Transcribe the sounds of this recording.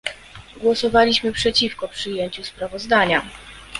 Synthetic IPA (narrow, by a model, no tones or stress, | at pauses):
ɡwɔsɔvalʲiɕmɘpʂɛt͡ɕifkɔpʂɘjeɲt͡ɕuspɾavɔzd̪aɲa